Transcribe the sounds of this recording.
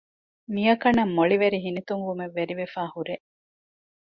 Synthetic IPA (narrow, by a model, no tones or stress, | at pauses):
mijɐkɐnːɐmːoɭiʋeɾiɦinit̪uŋʋumeʋːeɾiʋefæːhuɾe